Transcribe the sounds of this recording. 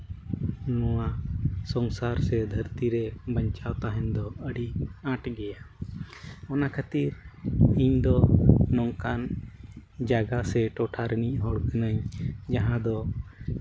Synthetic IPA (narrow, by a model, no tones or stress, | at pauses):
nɔwasɔŋsaɾsɛd̪ʱəɾt̪iɾɛbəɲt͡ʃawt̪aɦɛɲd̪ɔəɽiaʈɡɛja | ɔnakʰat̪iɾiɲd̪ɔnɔŋkan | d͡ʒaɡasɛʈɔʈʰaɾəniʔɦɔɽkanaɲd͡ʒaɦãd̪ɔ